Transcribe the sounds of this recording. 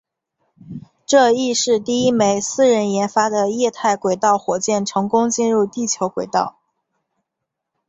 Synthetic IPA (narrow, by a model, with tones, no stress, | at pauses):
ʈ͡ʂɤ˥˧i˥˧ʂɻ̩˥˧t̪i˥˩i˥me˧˥ɪsɹ̩˥˩ɻə˧˥njɛ˧˥nfa˥d̪ə˨jɛ˥˧t̪ʰa˥˩ɪkwe˨˩ɪt̪ɑ˥˩ʊxwɔ˨˩t͡ɕjɛ˥˩nʈ͡ʂʰɤ˧˥ŋkʊ˥ŋt͡ɕi˥˧nɻu˥˧t̪i˥˩t͡ɕʰjo˧˥ʊkwe˨˩ɪt̪ɑ̰˥˩ʊ